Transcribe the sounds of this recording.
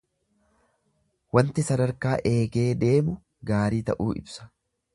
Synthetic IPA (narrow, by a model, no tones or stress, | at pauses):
wɐnt̪ɪsɐd̪ɐɾkaːʔe̞ːɡe̞ːd̪e̞ːmʊ | ɡaːɾiːt̪ɐ̰ʔuːʔɪ̰bsɐ̥